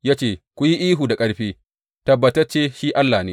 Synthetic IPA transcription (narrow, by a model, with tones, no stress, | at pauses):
ja˦t͡ʃeː˦˨kʷʊ˦ji˦ʔiː˦ɦuː˨da˨kʼɐ˦ɽɸeː˦ | tɐ˨bːɐ˨tɐ˦rt͡ʃeː˦ʃiː˦ʔa˦lːaː˨neː˦